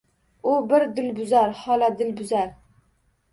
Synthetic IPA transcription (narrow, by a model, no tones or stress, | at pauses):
ubɪɾd̪ɪlbʊzæɾhɑːlˠɑd̪ɪlbʊzæɾ